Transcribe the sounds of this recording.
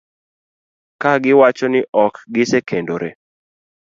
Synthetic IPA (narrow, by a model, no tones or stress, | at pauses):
kaɡɪwat͡ʃɔnɪʔɔkɡɪsekʰendoɾḛ